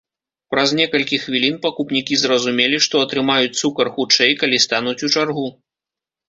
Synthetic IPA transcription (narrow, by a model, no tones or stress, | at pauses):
pɾɐznʲɛkɐlʲkʲixvʲilʲinpakupnʲikʲizɾɐzumʲɛlʲiʂt̪ɔɐt̪ɾɨmajut͡sʲt̪sukɐrxut͡ʂɛjkalʲist̪anut͡sʲut͡ʂarɣu